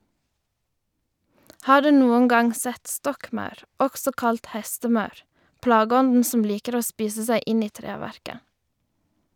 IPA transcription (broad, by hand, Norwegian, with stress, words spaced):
ˈhɑː ˈɖʉː ˈnuːən ˈɡɑŋ ˈsɛt ˈstɔkˌmɑʉɾ ˈɔɡsɔ ˈkɑlt ˈhɛstəˌmɑʉɾ ˈplɑːɡəˌɔndn̩ sm̩ ˈliːkəɾ ˈoː ˈspiːsə ˈsæɪ ˈɪn ˈiː ˈtɾeːʋæɾkə